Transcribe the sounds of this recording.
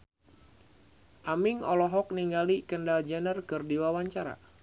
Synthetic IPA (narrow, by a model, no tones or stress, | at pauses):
ʔamiŋɔlɔɦɔk̚niŋɡalikəndald͡ʒɛnərkərdiwawaɲt͡ʃaɾa̰